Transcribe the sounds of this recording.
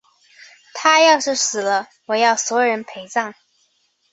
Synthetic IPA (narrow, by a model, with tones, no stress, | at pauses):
t̪ʰa˥jɑ˥˧ʊʂɻ̩˥˩sɹ̩˨˩lə˦ | wɔ˨˩jɑ˥˩ʊswɔ˧˥jɻə˧˥npʰe˧˥ɪt͡sɑ˥˩ŋ